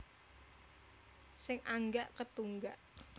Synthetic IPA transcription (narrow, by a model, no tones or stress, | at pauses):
sɪŋʔaŋɡaʔkət̪uŋɡaʔ